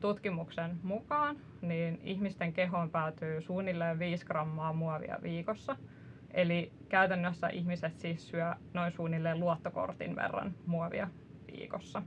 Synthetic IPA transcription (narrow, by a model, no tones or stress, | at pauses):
t̪ut̪kimuksenmukɑːn | niːniçmist̪eŋkeɦompæːt̪yːsuːnilːeːʋʋiːskrɑmːɑːmuɑʋḭɑ̰ʋiːkosːɑ | ʔeli | kæyt̪ænːøsːæ̰ʔihmiset̪siːssyænoinsuːnːilːeːluot̪ːoko̰rt̪ḭnʋḛrːɑ̰nmuɑʋḭɑ | ʋḭːkosːɑ